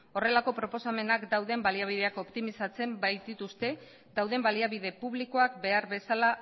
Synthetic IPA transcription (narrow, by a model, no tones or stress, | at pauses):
o̞re̞lako̞pɾo̞po̞same̞nakd̪awðe̞mbaliaβ̞ið̞e̞ako̞pt̪imisat͡se̞mbajt̪d̪it̪ust̪e̞ | d̪awðe̞mbaliaβið̞e̞puβ̞liko̞akbe̞aɾβe̞sala